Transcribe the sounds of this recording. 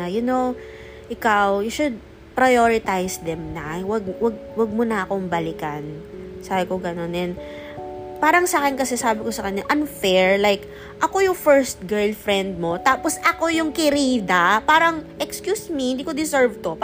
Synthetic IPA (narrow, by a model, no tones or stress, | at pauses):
ɐjʊno̞w | ʔɪkawjʊʃʊd̪̚ | pɾɐjoɹɪt̪ajsd̪ɛmnɐwɐɡ̚wɐɡ̚wɐɡ̚mʊnɐʔɐko̞mbɐlɪkɐn | saːbɪkoɡɐno̞nɛn | paːɾɐŋsɐʔaːkɪnkɐsɛsaːbɪkosɐkɐɲːaʔɐnfɛɹlajk | ʔɐko̞jʊŋfɛɹst̪̚ɡɛɹlfɾɛnd̪̚mo̞t̪aːposʔɐko̞jʊŋkɪɾiːd̪ɐpaːɾɐŋʔɛkskjusmiɪ̃nd̪ikod̪ɪsɛɹvt̪o